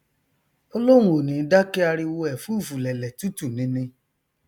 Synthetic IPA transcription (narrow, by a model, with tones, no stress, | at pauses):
o˧lo˦ũ˦o˨nĩ˨˦da˦ke˦a˧ɾi˧wo˧ɛ˨fu˦˨fu˨lɛ˨lɛ˨tu˦tu˦˨nĩ˨˦nĩ˧